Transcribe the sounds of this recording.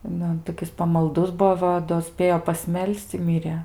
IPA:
ˈnʊ toːˈkʲɪs pɐmɐlˠˈdʊs ˈbuɔ ˈʋɐ doː ˈsʲpʲeːjoː pɐsʲˈmʲɛlʲsʲt͡sʲ ɪ ˈmʲɪrʲeː

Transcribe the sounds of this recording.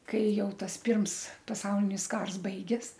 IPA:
ˈkɐɪ ˈjɛʊ ˈtɐs ˈpʲɪrms pɐˈsɐʊlʲɪnʲɪs ˈkɐrs ˈbɐɪɡʲeːs

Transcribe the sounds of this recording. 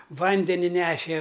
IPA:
ˈʋɐnʲdʲɛnʲɪ ˈnʲæːʃʲɛ

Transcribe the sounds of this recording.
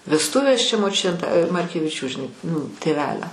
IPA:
ʋʲɛsˈtʊʋʲeːs t͡ʃʲɛ moːˈt͡ʃʲʊtʲeː t mɐrʲkʲɛʋʲɪˈt͡ʃʲuː ʒʲɪˈnɐɪ nʊ tʲeːˈʋʲæːlʲoː

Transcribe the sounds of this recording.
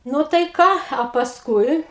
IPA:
ˈnʊ tɐɪ ˈkɑː ɐ pɐsˈkʊɪ

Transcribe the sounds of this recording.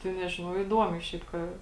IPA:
tɐɪ ˈnʲæːʒʲɪnɐʊ ɪˈduɔmʲɛɪ ˈʃʲɛɪp kɐ

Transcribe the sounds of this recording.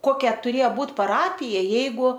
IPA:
ˈkoːkʲɛ tʊˈrʲeːjɛ ˈbuːt pɐˈrɑːpʲɪjɛ ˈjɛɪɡʊ

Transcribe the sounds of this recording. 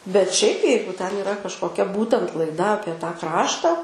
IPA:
bʲɛt ʃʲɛɪp ˈjɛɪɡʊ tʲɛn ɪˈrɐ kɐʃkoːˈkʲɛ ˈbuːtʲɛnt lˠɐɪˈdɐ ˈɑːpʲiɛ tɑː ˈkrɑːʃtɐ

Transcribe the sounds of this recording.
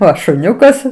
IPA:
ˈoː ʃʊˈnʲʊkɐs

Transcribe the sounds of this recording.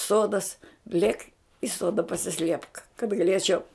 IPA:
ˈsoːdɐs ˈlʲeːk ɪ ˈsoːdɐ pɐsʲɪˈsʲlʲiɛpk kɐt ɡɐˈlʲeːt͡ʃʲɛʊ

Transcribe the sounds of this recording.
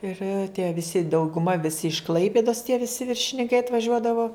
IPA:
ɪr tʲiɛ ʋʲɪˈsʲɪ dɐʊɡʊˈmɐ ʋʲɪˈsʲɪ ɪʃ ˈklˠɐɪpʲɪdoːs tʲiɛ ʋʲɪˈsʲɪ ʋʲɪrʲʃʲɪnʲɪŋˈkɐɪ ɐtʋɐˈʒʲuɔdɐʋoː

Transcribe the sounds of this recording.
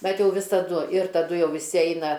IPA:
ˈbʲɛt ˈjɛʊ ʋʲɪsɐˈdʊ ɪr tɐˈdʊ ˈjɛʊ ʋʲɪˈsʲɪ ˈɛɪnɐ

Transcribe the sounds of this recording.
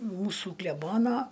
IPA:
ˈmuːsuː klʲɛˈboːnoː

